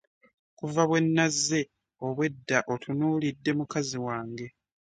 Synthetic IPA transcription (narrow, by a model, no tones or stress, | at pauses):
kuvaβwe̞nːazːe̞ | o̞βwe̞dːaʔotʰunuːlidːe̞mukaziwaːŋɡe̞